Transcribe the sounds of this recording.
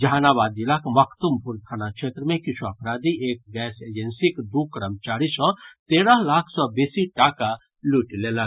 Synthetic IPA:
d͡ʒʱanabad̪ilakməkʰt̪umpuɾt̪ʰanakʃʰet̪ɾəmẽkit͡ʃʰuəpɾad̪iek̚ɡɛsed͡ʒensikd̪ukɾəmt͡ʃaɾisɔ̃t̪eɾəɦlakʰsɔbesiʈaka | luʈlelək

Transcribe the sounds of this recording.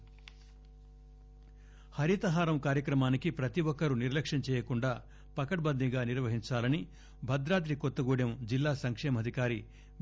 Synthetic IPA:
hɐɾit̪ɐɦaːɾɐmkaːɾjɐkɾɐmaːnikipɾɐt̪iʋɔkːɐɾuniɾlɐkʂɐnt͡ʃɛːjɐkuɳɖaː | pɐkɐʈ̚bɐnd̪ʱiɡaːniɾʋɐɦiɲt͡ʃaːlɐni | bʱɐd̪ɾaːt̪̬ɾikɔt̪ːɐɡuːɽjɐmd͡ʒilːaːsɐŋkʂɛːmɐd̪ʱikaːɾi

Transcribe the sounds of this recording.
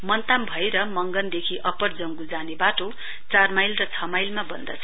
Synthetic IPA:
mʌnt̪ambʱʌeɾʌmʌŋɡʌnd̪ekʰiʔʌpʌrd͡zʌŋɡud͡zanebaʈo | t͡sarmajlrʌt͡sʰʌmajlmabʌnd̪ʌ̰t͡sʰʌ

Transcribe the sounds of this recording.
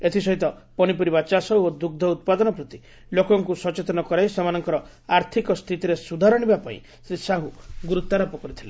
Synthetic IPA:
et̪ʰisɔɦit̪ɔpɔñipɔɾibat͡ʃasɔod̪uɡ̚d̪ʱɔut̪̚pad̪ɔnɔpɾɔt̪i | lokɔŋkusɔt͡ʃet̪ɔnɔkɔɾajsamanɔŋkɔɾɔ | aɾt̪ʰikɔst̪ʰit̪iɾesud̪ʱaɾɔɽ̃ibapaḭ̃ | sɾisaɦuɡuɾut̪ːaɾɔpɔkɔɾit̪ʰile

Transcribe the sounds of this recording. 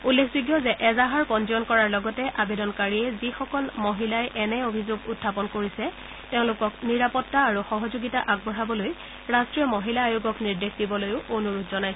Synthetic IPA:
ulːekʰzuɡjɔzɛʔɛzaɦaɹkɔnd͡ʒiɔnkɔɹaɹlɔɡɔtɛʔabedɔnkaɹiɛzixɔkɔlmoɦilajʔɛnɛobʱizoɡutʰːapɔnkoɹisɛ | teʊ̃lʊkɔkniɹapɔtːaːɹuxɔɦɔzoɡitaʔaɡ̚bɔɹabɔloj | ɹastɹijɔmoɦilaːjuɡɔkniɹdekʰdibɔlojʊʔonuɹutzɔnajsɛ

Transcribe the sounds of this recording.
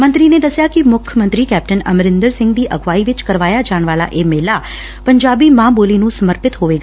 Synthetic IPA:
mə̃nt̪ɾiːneːd̪əsɪjaːkɪmʊkʰjəmə̃nt̪ɾiːkɛːp̚ʈənəmɾɪ̃nd̪əɾsɪ̃ŋɡd̪iːʔəɡʋaːiːʋɪt͡ʃkəɾʋaːjaːd͡ʒaːɽ̃ʋaːla̰ːʔeːmeːlaː | pəɲd͡ʒaːbiːmãːboːliːnũːsəməɾpɪt̪ɦoːʋeːɡa

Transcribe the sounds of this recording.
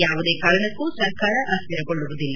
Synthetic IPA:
jaːʋud̪eːkaːɾɐɳɐkːusɐɾkaːɾɐʔɐstɐɾɐkoɭːuʋod̪ilːɐ

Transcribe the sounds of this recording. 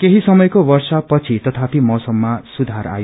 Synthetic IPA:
keɦisʌmʌjkobʌrsʌpʌt͡sʰit̪ʌt̪ʰapimʌsʌmːasud̪ʱaɾa̰jo

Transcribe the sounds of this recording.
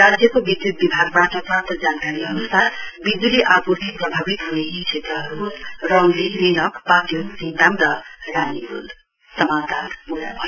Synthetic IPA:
ɾad͡zjʌkobid̪ʱjut̪̚bibʱaɡ̚baʈʌpat̪ʌd͡zankaɾiʌnust̪ʰabid̪uliʔaput̪ʰiprʌbʱabit̪ɦuneɦt͡ʃʰet̪ɾʌɦʌɾurʌŋɡliɾinʌkpat̪joksint̪amɾʌɾanibṵl | sʌmat̪aɾpuɾa̰bʱʌj

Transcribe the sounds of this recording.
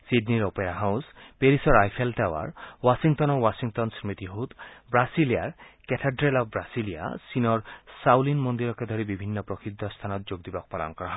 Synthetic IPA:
sidniɾopeɾaɦawspeɾisɔɾajpʰeltawa̰ɾwasiŋtɔnɔɾwasiŋtɔnsmit̪iɦut̪bɾasiliaɾketʰaɖɾelɔbbɾasilija̰sinɔɾsawlinmɔnd̪iɾɔked̪ʱɔɾibibʱinːɔpɾɔkʰid̪ʱːɔst̪ʰanɔt̪̚d͡ʒoɡ̚d̪ibɔk̚pɔla̰nkɔɾɔɦa

